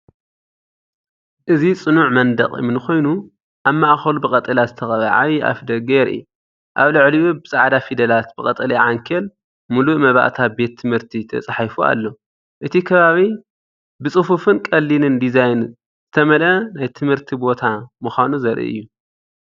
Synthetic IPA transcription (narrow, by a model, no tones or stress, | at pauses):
ʔɨzit͡sʼɨnuʕmɐnd̪ɐ̰χʼɨ̰mɨnɨxo̞jnu | ʔamːaʔxɐlubɨkʼɐt̪ʼɐlazɨt̪ʰɐxʼɐβa̰ʕaβiʔa̰fd̪ɐɡeɾɨ̰jːu | ʔaβlɨʕliubɨsʼaʕd̪afid̪ɐlat̪bɨkʼɐt̪ʼɐliʕaŋkʰɐl | muluʔmɐβa̰ʔt̪ʰabe̞t̪ʰːɨmhɨɾt̪ʰit̪ʰɐ̰t͡sʼaħafua̰lːo̞ | ʔɨt̪ʰikʰɐβaβi | bɨt͡sʼɨfufɨnkʼɐlːinɨnd̪izajn | z̥ɨt̪ʰɐmɐlɐnajt̪ʰɨmhɨɾt̪ʰibo̞t̪ʰamuxʷanuzɐɾʔḭʔɨ̰jːu